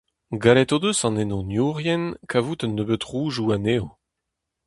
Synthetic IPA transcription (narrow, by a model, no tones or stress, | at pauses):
ɡalɛt̪od̪øsɑ̃nenɔ̃njuʁjɛnkʰavut̪ənːøbøt̪ʁuːʒuaneːo